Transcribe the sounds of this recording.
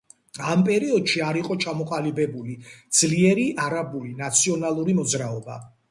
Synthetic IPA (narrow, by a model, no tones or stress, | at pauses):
ampʼɛɾiɔd̪ʃiaɾiqʼɔt͡ʃʰamɔqʼalibɛbulid̪z̥liɛɾiʔaɾabulinat̪sʰiɔnalˠuɾimɔd̪zɾaɔba̰